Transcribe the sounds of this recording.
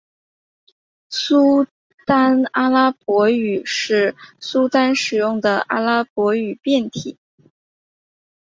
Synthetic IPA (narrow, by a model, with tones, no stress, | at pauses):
su˥ | t̪a˥na˥la˥pwɔ˧˥y˨˩ʂɻ̩˥˩su˥t̪a˥nʂɻ̩˨˩jʊ˥˩ŋd̪ə˩ʔa̰˥la˥pwɔ˧˥y˨˩pjɛ˥˩nt̪ʰḭ˨˩˦